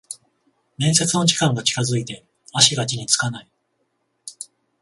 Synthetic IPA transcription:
nẽ̞ɰ̃se̞t͡sɨno̞ʑi̥kãŋɡat͡ɕi̥kazɨit̪e̞ | aɕiɡat͡ɕiɲ̟it͡sɨ̥kanai

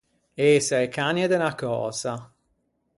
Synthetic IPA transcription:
esaekanjed̪enakɔ̰ːza

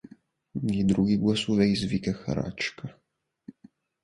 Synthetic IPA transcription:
jɛd̪ɾuɡiɡlasuvɛjzvikaxa̰ɾa̰t͡ʃka

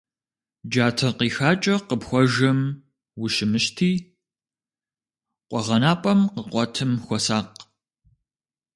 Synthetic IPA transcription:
d͡ʒaːtʰɐqiːxaːt͡ʃʼɐqəpxʷɔʒɐm | wʊʃɪmɨʃtʰiː | qʷʼɔʁɐnaːpʼɐmqəqʷɔtʰɨmxʷɔsaːq

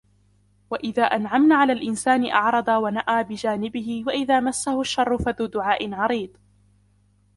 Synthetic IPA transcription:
waʔɪðaːʔanʕamnaːʕalaːlʔɪnsaːnɪʔɑ̰ʕɾˤɑd̪ˤɑwanaʔaːbɪd͡ʒaːnɪbɪhɪwaʔɪðaːmasːahʊʃːɑrˤːʊfaðuːd̪ʊʕaːʔɪnʕɑɾiːd̪ˤ

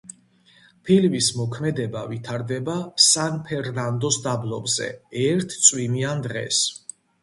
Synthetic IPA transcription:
pʰilvismɔkʰmɛd̪ɛba̰vit̪ʰaɾd̪ɛbasanpʰɛɾnand̪ɔsd̪ablˠɔbzɛ̰ɛɾt̪ʰt̪sʼwimiand̪ʁɛ̰s

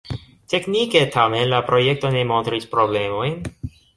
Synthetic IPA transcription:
tekniketʰamenlapɾo̞jek̚to̞ne̞mo̞nt̪ɾispɾo̞ble̞mo̞jn

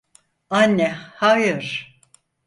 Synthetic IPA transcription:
anʲːɛhajɯɾ̥

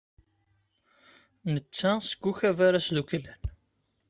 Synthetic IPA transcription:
nət͡sːæsə̥ɡʷːuçævaɾaslukəlːæn

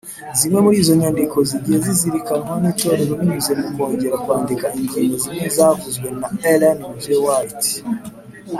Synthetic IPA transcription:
zimwe̞muɾiːzo̞ɲaːndiko̞ziɟieziziɾikanŋwanit͡ʃo̞ɾe̞ɾoɾiɲuze̞muko̞ːɲɟe̞ɾakwaːndikaiɲɟiːŋɡozimŋezakuzwe̞naelanvewait

